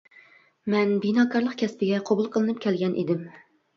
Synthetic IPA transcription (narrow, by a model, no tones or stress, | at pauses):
mɛnbinɑːkʰɑɾlˠəqkʲʰɛspɪɡʲɛqʰobulˠqʰəlˠɨnɨp̚kʲʰɛlɡʲɛnʔḛd̪ɪm